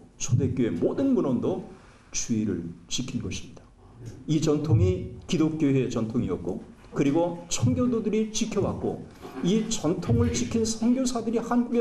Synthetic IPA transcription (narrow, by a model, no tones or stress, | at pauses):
t͡ɕʰode̞k͈joe̞modɯnmunʌndo | t͡ɕuiɾɯ̰ɭt͡ɕikʰinɡʌɕʰi̥mɲid̥a | it͡ɕʌntʰoŋikidok͈̚joet͡ɕʌntʰoŋiʌk̚k͈o | kɯɾiɡot͡ɕʰʌŋɡjododɯɾit͡ɕikʰjʌwak̚k͈o̰ | it͡ɕʌntʰoŋɯɭt͡ɕikʰinsʰʌŋɡjosʰadɯɾihanɡuɡe